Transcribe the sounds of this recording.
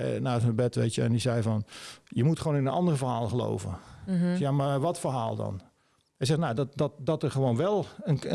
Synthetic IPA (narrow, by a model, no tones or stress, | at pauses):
naːsəbɛtʋeːtjəɛndizɛjfɔnjəmutχəʋoːnɪnənɑ̰ndərəvərhaːlˠəχəlo̰wvə̰sjamaʋɔtfərɦaːlˠdɔ̰n | ɛjs̬ɛxnadɔdɔtdɔtərχəʋoːnʋɛlˠənə